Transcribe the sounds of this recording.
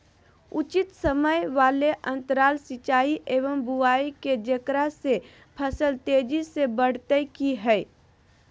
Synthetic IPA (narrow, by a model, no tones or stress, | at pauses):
ʊt͡ʃɪt̪səməjʋaːleʔə̃nt̪ɾaːlsɪt͡ʃaːiʔeːʋəmbuaːiked͡ʒəkɾase | pʰəsəlt̪eːd͡ʒisebəɽ̤t̪əjkiɦɛɪ